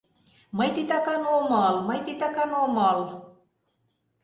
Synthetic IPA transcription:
mɤjt̪it̪ɑkɑnomɑlmɤjt̪it̪ɑkɑnomɑl

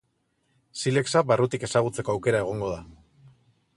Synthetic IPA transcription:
sile̞ksabarut̪ike̞saɣut͡se̞ko̞awke̞ɾae̞ɣ̞o̞ŋɡo̞ð̞a

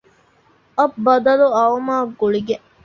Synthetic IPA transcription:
ɐbbɐd̪ɐluɐʋɐmaːɡuɭiɡe

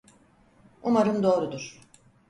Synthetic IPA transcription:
umaɾɯmd̪o̞ːɾud̪uɾ̥

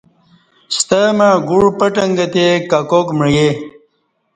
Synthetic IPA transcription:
st̪əmaɡuɽpəʈɐŋɡɐt̪ekakokmɻje

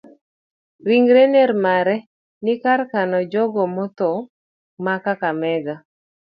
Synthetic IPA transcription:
ɾiŋɡɾenɛɾmaɾɛ | nɪkarkanɔd͡ʒɔɡɔmɔt̪ɔ | makakamɛɡa

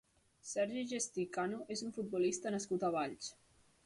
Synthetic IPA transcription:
sɛɾʒiʒest̪ikanuʔezuɱfut̪̚bulist̪ənəskut̪əβ̞aʎt͡ʃ

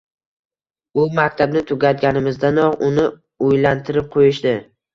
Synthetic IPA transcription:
ʊmakʲt̪ʰabnɪt̪ʰʊɡʲat̪ɡʲanɪmɪzd̪anɒʁʊnɪ | ojlant̪ʰɪɾɪp̚qʰojɪʃd̪ɪ

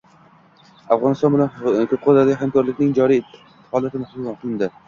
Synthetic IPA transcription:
afʁɒnɪst̪ɒnbɪlankʰot̪̚qʰod̪ad̪aɡʲhamkʰɒɾlɪkʲnɪŋd͡ʒɒɾijt̪ʰː | hɒlˠat̪ʰɪmahd̪ud̪anqʰɨlˠɪnd̪ɪ

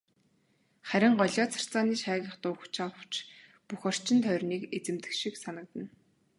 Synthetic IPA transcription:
χæɾʲɪ̆ŋɢɔɮʲɔːt͡sʰḁr̥t͡saːniːʃæːɣʲə̆χt̪ʊːxt͡ɕʰaww̥t͡ɕ | puxɔr̥t͡ɕɪ̆nt̪ʰœrniːket͡sɘ̆mt̪ɘ̆kʃiksanə̆k̚t̪ə̆n

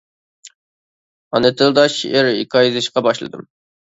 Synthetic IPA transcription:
ɑnɨt̪ʰɨlˠd̪ɑʃḭʔeɾikʰʲɑjzɪʃqɑbɑʃlˠɨ̰d̪ɨ̰m

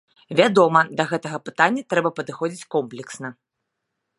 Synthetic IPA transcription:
vʲad̪ɔmɐd̪ɐɣɛt̪ɐɣɐpɨt̪anʲːɐt̪ɾɛbɐpɐd̪ɨxɔd͡zʲit͡sʲkɔmplʲɛksnɐ

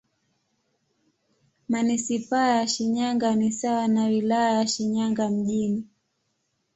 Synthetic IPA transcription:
manisipajaʃiɲaŋɡanisawanawilajajaʃiɲaŋɡam̩ʄini

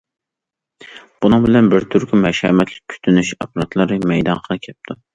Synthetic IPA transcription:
b̥unɨŋbɪlɛnbɪɾt̪ʰyɾkʲʰymɛʃhɛ̰mɛt̪ʰlɪ̥k̚ʲkʲʰy̥t̪ʰynyʃɑpʰɑɾɑt̪ʰlˠɑɾɨmɛjd̪ɑnqʰəlˠɨkʲʰɛp̚t̪ʰu

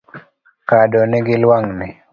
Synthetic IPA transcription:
kadɔnɪɡɪlwaŋnɪ

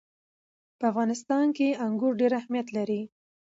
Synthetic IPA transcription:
pəafɣɑnɪst̪ɑnkeaŋɡʊɾɖeɾahmijat̪laɾi

